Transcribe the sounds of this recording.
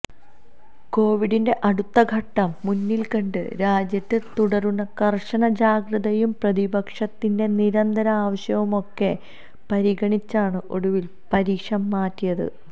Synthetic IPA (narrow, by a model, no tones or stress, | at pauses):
ko̞ːʋiɽinde̞ʔɐɽut̪ːɐɡʱɐʈːɐmːunːilkɐɳɖɨ̰ɾaːd͡ʑjɐtːɨt̪uɽɐrunːɐkɐrʂɐɳɐd͡ʑaːɡrɨðɐjumprɐðibɐkʂɐt̪ːinde̞niɾɐnd̪ʱɐɾɐaːʋɐɕjɐʋumo̞kːe̞ | pɐɾiɡɐɳit͡ɕːaːɳɨʔo̞̰ɽuʋil | pɐɾiːkʂɐmːaːtːijɐðɨ̰